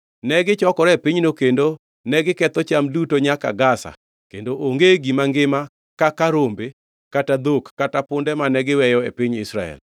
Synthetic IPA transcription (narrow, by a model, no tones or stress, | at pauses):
nɛɡɪt͡ʃɔkɔɾepɪɲnokendo | nɛɡɪkɛt̪ɔt͡ʃamdutoɲaka̰ɡasa̰ | kendoʔoŋɡeɡimaŋɡɪma | kakaɾombe | katad̪okːatapʊndɛmanɛɡɪwɛjɔḛpɪɲɪsɾa̰ɛ̰l